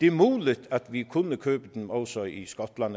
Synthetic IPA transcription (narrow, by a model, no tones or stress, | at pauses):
d̪̥eːmuːlət̪ʰat̪ʰʋikʰʊnːəkʰøːpəd̪̥n̩ɔlsɔḭskɔt̪lanə